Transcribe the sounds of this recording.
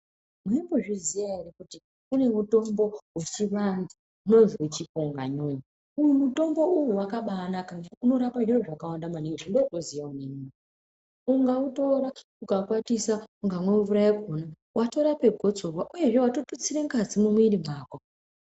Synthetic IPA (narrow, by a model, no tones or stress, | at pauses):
mweimboʐizijarikuti | une̞muto̞mbo̞wet͡ʃiʋandi | uno̞nziwet͡ʃikoŋɡa̰ɲoːɲi | ujumuto̞mbo̞uwuwakaɓanakaauno̞ɾapandioʐakawandamaniŋɡʐindokozijaunemuːi | uŋɡauto̞ɾa | ukakwatisauŋɡamweuʋuɾaikona | wʔato̞ɾape̞ɡʱo̞d͡zo̞rwaʔuje̞ʐe̞wato̞tot͡siɾeŋkad͡zimumwiɾimaːkwa